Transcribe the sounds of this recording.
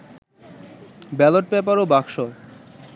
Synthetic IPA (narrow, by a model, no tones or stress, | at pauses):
bɛloʈ̚pɛpaɾobakʃo